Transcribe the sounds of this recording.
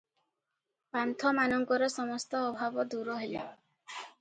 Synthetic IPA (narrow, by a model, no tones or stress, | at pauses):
pant̪ʰɔmanɔŋɡɔɾɔsɔmɔst̪ɔːbʱabɔd̪uɾɔɦele